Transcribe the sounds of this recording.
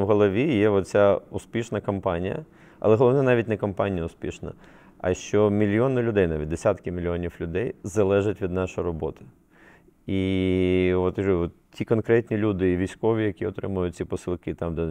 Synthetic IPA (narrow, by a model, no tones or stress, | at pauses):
wɦɔlˠɔʋʲijɛɔt̪t͡sʲaʊspʲiʃnɐkɐmpɑnʲijɐ̰ | ɐ̰lˠɛɦɔlˠɔʋnɛnɑʋʲit̚ʲnɛkɐmpɑnʲijɐʊspʲiʃnɐ̰ | ɐ̰ʃt͡ʃɔmʲilʲjɔnɪlʲʊd̪ɛjnɑʋʲit̚ʲd̪esʲat̪kɪmʲɪlʲijɔnʲiwlʲʊd̪ɛjzɐlˠɛʒɐtʲʋʲid̪nɑʃɔjrɔbɔt̪ɪ̥ | i | ʋɔt̪ʒɔɔt̪tʲikɔnkɾɛtʲnʲilʲud̪ɪːʋʲijsʲkɔʋʲijɐkʲiɔt̪ɾɪ̰mʊjʊt̚ʲt͡sʲipɔsɨlˠkɪt̪ɑmd̪